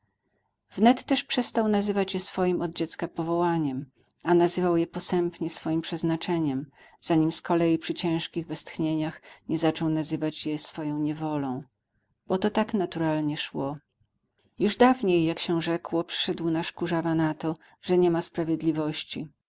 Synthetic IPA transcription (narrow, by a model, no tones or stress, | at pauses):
vnɛt̪ːɛʂpʂɛst̪awnazɘvat͡ɕjɛsfɔjimɔd̪̚d͡ʑɛt̪skapɔvɔwaɲɛm | anazɘvawjɛpɔsɛmpɲɛsfɔjimpʂɛznat͡ʂɛɲɛm | z̥aɲimskɔlɛjipʂɘt͡ɕɛ̃w̃ʂkʲiɣvɛst̪xɲeɲaxɲɛzat͡ʂɔ̃wnazɘvat͡ɕjɛsfɔjɔ̃w̃ɲɛvɔlɔ̃w̃ | b̥ɔt̪ɔt̪aknat̪uɾalɲɛʂwɔ | juʐd̪avɲejːakɕɛʐɛkwɔpʂɘ̥ʂɛd̪wnaʂkuʐavanat̪ɔ | ʐ̥ɛɲɛmaspɾavʲjɛd̪lʲivɔɕt͡ɕi